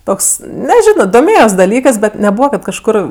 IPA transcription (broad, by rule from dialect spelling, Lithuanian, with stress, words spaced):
ˈtoːks nʲɛˈʒʲæːnoː doːˈmʲeːjoːs dɐˈlʲiːkɜs bʲɛt nʲɛˈbuːʋɐ kɐt kɐʃˈkʊr